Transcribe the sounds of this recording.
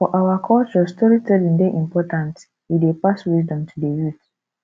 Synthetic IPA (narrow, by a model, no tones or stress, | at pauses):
fɔʔawakʰɔlt͡ʃɔstɔɹitɛlĩndeʔĩmpɔtãnt | widepaswizdɔ̃mtʰudejut